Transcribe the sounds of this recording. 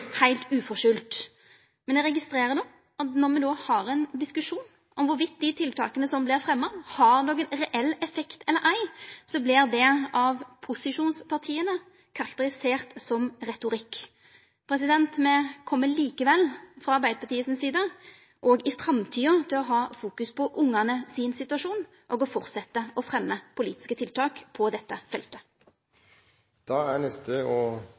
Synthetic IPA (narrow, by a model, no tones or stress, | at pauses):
hæɪlt̪ʉːfɔʂʏlt̪ | mɛnɛɾɛɡɪst̪ɾeːɾəd̪oː | ɑt̪nɔɾmɛd̪oːhɑɾɛnd̪ɪskʉʂuːn | ʔɔmʋʊɾʋɪt̪̚ːd̪ɪt̪ʰɪlt̪ʰɑ̰ːkənəsɔmblɪɾfɾɛmːɑhɑɾnɔkːɛnɾɛʔɛlːɛfɛkt̪ɛlːəɾʔæɪsɔblɪɾd̪ɛʔɑʋpʰʊsɪʂuːnspʰɑʁt̪ʰiːənə | kʰɑɾɑkt̪əɾɪseːɾt̪sɔmɾɛt̪ʊɾɪkː | pʰɾɛsɪd̪ɛnt̪mɛkʰɔmːəliːkəʋɛlfɾɑɑɾʁbæɪd̪əpʰɑt̪iːəsɪnsiːd̪ə | ʔoːɡɪfɾɑmt̪ʰiːɔt̪ʰɪlɔɦɑːfuːkʉspʰɔʔʊŋːɑnəsɪnsɪt̪ʉɑʂuːn | ʔɔːɡɔfɔʁt̪sɛt̪ːəʔɔfʁɛmːəpʰʊlḭːt̪ɪ̥skət̪ʰɪlt̪ʰɑːkpʰɔd̪ɛt̪ːəfɛlt̪ə | d̪̥ɑːænɛst̪əɔ